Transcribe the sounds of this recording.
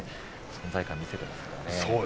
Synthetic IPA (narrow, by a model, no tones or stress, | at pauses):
sõnzaikãmʲːise̞t̪emasɨ̥kaɾanessoː